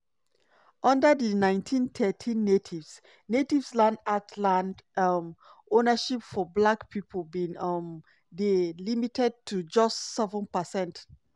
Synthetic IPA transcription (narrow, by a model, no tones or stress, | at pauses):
ʔʌ̃ndədənãɪ̃ntʰĩntʰɛtʰĩnːetʰivs | netivslãndatlãndm | onəʃipfɔblakpʰipʰəlbĩnʌm | delimitʰɛd̚tʰud͡ʒʌstsɛvə̃npəsɛ̃nt